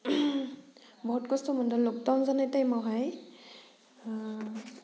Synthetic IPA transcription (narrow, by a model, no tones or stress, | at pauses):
bɔɦutkɔstɔmɔndɔlok̚tanzanajtajmɔɦaj